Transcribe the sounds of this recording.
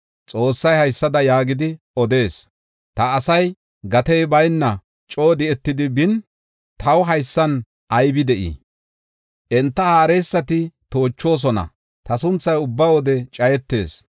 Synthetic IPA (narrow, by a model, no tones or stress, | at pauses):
t͡sʼo̞ːsːɐjhɐjsːɐd̪ɐjaːɡɪd̪ɪ | ɔd̪e̞ːs | t̪ɐːsɐj | ɡɐt̪ɛjbɐjnːɐ | t͡ʃʼo̞ːd̪ɪɛt̪ːɪd̪ɪbɪn | t̪ʰɐwɦɐjsːɐn | ʔɐjbɪd̪ɛʔḭ | ʔɛnt̪ːɐhaːɾɛjsːɐt̪ɪt̪o̞ːt͡ʃːo̞ːs̬ɔnɐ̰ | t̪ɐsʊnt͡sːɐjʊbːɐwɔd̪ɛt͡ʃʼɐjɛt̪ːe̞̰ːs